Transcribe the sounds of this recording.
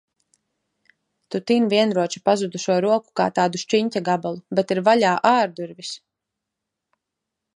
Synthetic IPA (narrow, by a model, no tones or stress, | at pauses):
t̪ut̪inviɛnɾuɔt͡ʃi̥pazud̪uʃuɔɾuɔku̥ka̰ːt̪aːd̪uʃt͡ʃiɲcʲaɡabalˠubɛt̪iɾvaʎaːʔaːɾd̪uɾvis